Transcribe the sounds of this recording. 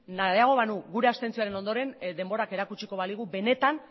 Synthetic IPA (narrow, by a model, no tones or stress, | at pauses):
najaɣ̞o̞β̞anuɣuɾe̞ast̪e̞nt͡sioaɾe̞no̞nd̪o̞ɾe̞nd̪e̞mbo̞ɾake̞ɾakut͡ʃiko̞βaliɣ̞ube̞ne̞t̪an